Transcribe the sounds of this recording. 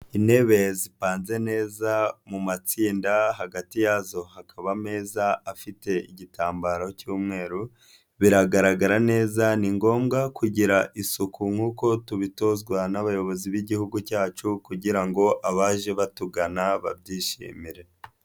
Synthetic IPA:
ine̞βe̞zipaːnze̞ne̞ːzamumat͡siːndaɦaɡatijazo̞hakʰaβame̞ːzaafite̞iɟitaːmbaɾo̞cuːmŋe̞ːɾu | βiɾaɡaɾaɡaɾane̞ːzaniŋɡo̞ːmɡakuɟiɾaʔisukʰuŋ̥uːko̞tuβito̞zɡwanaβajo̞βo̞ziβiɟihuɡucaːt͡ʃukuɟiɾaŋɡo̞ʔaβaːʒe̞βatuɡanaβa̰b̚ɟiːʃḭːmiɾe̞

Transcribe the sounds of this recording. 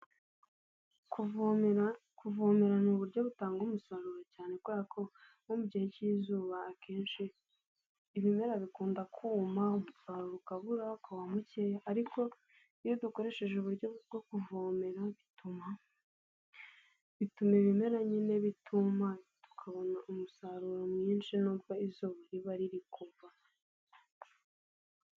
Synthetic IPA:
kuv | kuvoːmeɾanuːβuɾjo̞βutaːŋɡomusaɾuɾocaːne̞kwaakʰo̞ | omubɟijeciːzuːβaːke̞ːnʃiː | βime̞ɾaβikuːndakʰuːmaumusaɾuɾukaβuɾakawamucejaːɾikʰo̞ | ijo̞duko̞ɾe̞ʃe̞ʒeuβuɾɟo̞bɡo̞kuvoːme̞ɾaβituma | βitume̞βime̞ɾaɲine̞βitʰumatu̥kʰaβo̞naʔumusaɾuɾomɲiːnʃinuːbɡaizuːβaɾiβaɾiɾikuva

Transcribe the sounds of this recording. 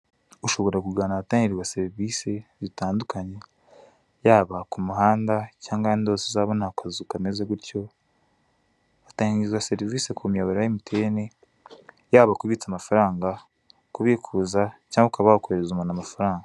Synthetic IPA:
uʃo̞βo̞ɾakuɡaːnaataːɲiɾiwaseɾivisezitaːndukaɲe̞ | jaːβakumuɦaːndacaːŋɡaanidoːsezaβonakʰazukamezeɡuɾco̞ | βataːɲiɾiwaseɾivisekʰumiaβaɾajimitʰene | jaːβakuβit͡samafaɾaːŋɡa | kuβikʰuzacaːŋɡakaβahokueɾezumanamafaɾaːŋɡa

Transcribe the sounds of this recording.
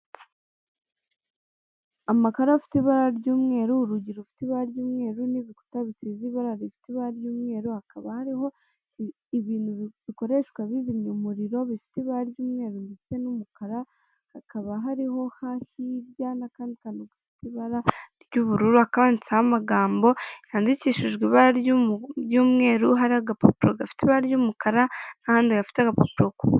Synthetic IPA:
amakaɾaafi̥teβaɾaɾɟuːmŋe̞ːɾuɾuɟiɾufi̥tiβaɾaɾɟuːmŋe̞ːɾuniβiku̥taβisiziβaɾaɾifi̥tiβaɾaɾɟuːmŋe̞ːɾuhakaβahaɾiɦo̞ | iβiːnuβiko̞ɾe̞ʃkwaβizimɲomuɾiɾo̞βifi̥teβaɾaɾjuːmŋe̞ːɾundit͡se̞numukaɾa | hakaβaɦaɾiɦo̞hasiɾjanakaːndikanoɡafi̥teβaɾaɾɟuβuɾuɾuhakaβanit͡sahamaɡaːmbo̞jaːndiciʃiʒɡeβaɾjujuːmŋe̞ːɾuɦaɾiaɡapo̰piɾoɡafi̥teβaɾjuːmukaɾanahaːndiɡafi̥taɡapopiɾoko

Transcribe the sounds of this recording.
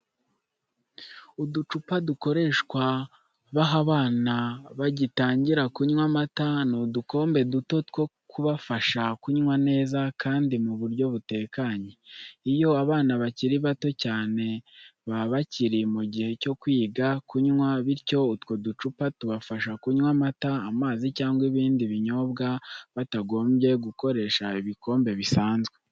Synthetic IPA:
udut͡ʃupaduko̞ɾe̞ʃkwa | βaɦaβaːnaβaɟitaːɲɟiɾakuɲŋwamatanuduko̞ːmbe̞duto̞two̞ | kʰuβafaʃakuɲŋwane̞ːzakʰaːndimuβuɾɟo̞βute̞ːkaɲeijo̞aβaːnaβaciɾiβato̞caːne̞βaβaciɾimuɟihe̞co̞kwiːɡakuɲŋwaβiɾco̞utwo̞dut͡ʃupatuβafaʃakuɲwamataamaːzicaːŋɡwiβiːndiβiɲo̞bɡaβataɡo̞ːmbje̞ɡuko̞ɾe̞ʃaiβiko̞ːmbe̞βisaːnzɡwe̞

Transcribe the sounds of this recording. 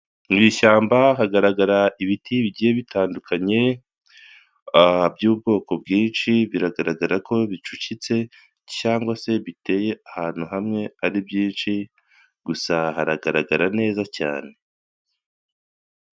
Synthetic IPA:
ŋɡiːʃaːmbaɦaɡaɾaɡaɾaiβitʰiβiɟije̞βitʰaːndukʰaɲe̞ | bjuːbɡo̞ːko̞bɡiːnʃiβiɾaɡaɾaɡaɾakʰo̞βit͡ʃucit͡se̞ | caːŋɡwase̞βite̞ːje̞ahaːn̥huɦamŋe̞aɾibjiːnʃi | ɡ̥usahaɾaɡaɾaɡaɾane̞ːzaca̰ːne̞

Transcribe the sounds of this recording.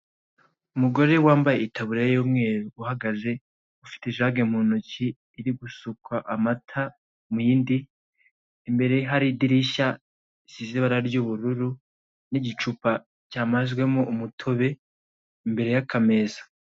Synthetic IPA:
umuɡo̞ɾe̞waːmbajeitʰaβuɾajjoːmŋe̞ːɾuuhaɡaze̞ | ufi̥teʒaɡem̥hunuciː | ɾiɡusukwaʔamatʰa | mujiːndiː | mbe̞ɾe̞ɦaɾidiɾiʃa | siziβaɾaɾɟuβuɾuɾu | niɟit͡ʃupa | caːmazɡwe̞moʔumutʰo̞βe̞ | imbe̞ɾe̞jakʰame̞zḁ

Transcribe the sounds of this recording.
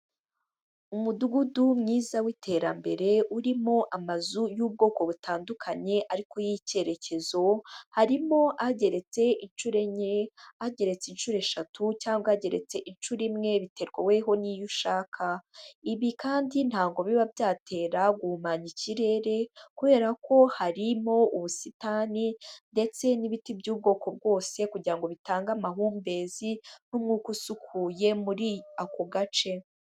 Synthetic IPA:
umuduɡudumŋiːzawitʰe̞ːɾa̰mbe̞ɾe̞uɾimo̞ʔamazujuːb̚ɡo̞ːko̞βutʰaːndukʰaɲe̞ʔaɾiko̞jice̞ɾe̞ce̞zo̞haɾimo̞ʔaɟe̞ɾe̞t͡se̞ʔinʃuɾe̞ɲeaɟe̞ɾe̞t͡sinʃuːɾe̞ʃatʰucaːŋɡaaɟe̞ɾe̞̰t͡se̞ʔinʃuɾimŋe̞βitʰe̞ɾɡwawe̞ɦo̞nijuʃaːkʰaiβikaːndin̥haːŋɡo̞βiβabjaːtʰe̞ːɾaɡumaɲiciɾe̞ːɾe̞kuβe̞ːɾako̞haɾimo̞uβusitaninde̞t͡se̞niβitibɟuːb̚ɡo̞ːko̞b̚ɡo̞ːse̞kuɟiɾaŋɡo̞βitaːŋɡamaɦuːmbe̞ːzinumŋuːkusukʰuje̞muɾiakoɡat͡ʃe̞

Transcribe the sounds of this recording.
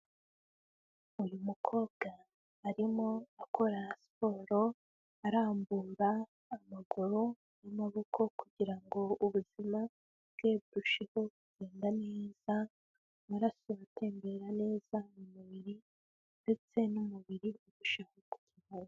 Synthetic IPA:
ujumukʰo̞ːβɡaː | ɾimo̞akʰo̞ɾaspo̞ːɾo̞ | aɾaːmbuɾaː | maɡuɾo | jamaβo̞kʰo̞kuɟiɾaŋɡo̞uβuz̥ima | bɡ̥e̞ːbɾuʃiho̞kuɟ̥eːndane̞ːz̥a | aɾasuβate̞ːmbe̞ɾane̞ːz̥amumuβiɾi | nde̞t͡se̞numuβiɾiuβuʃahoku̥ciβaɾo

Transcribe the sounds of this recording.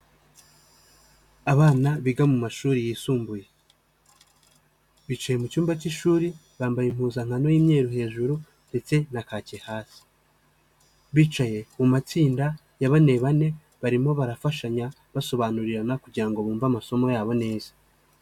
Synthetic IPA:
aβaːnaβiɡamumaʃuːɾijiːsuːmbuje̞ | βiːt͡ʃaje̞mucuːmbaciʃuːɾi | βaːmbajim̥huːzaŋ̥ano̞jimɲe̞ːɾuɦe̞ːʒuɾu | nde̞t͡se̞nakaːcehaːsi̥ | βiːt͡ʃaje̞mumat͡siːnda | jaβane̞βane̞ | βaɾimo̞βaɾafaʃaɲa | βaso̞βanuɾiɾanakuɟiɾaŋɡo̞βuːɱvamaso̞mo̞jaːβo̞ne̞ːz̥ḁ

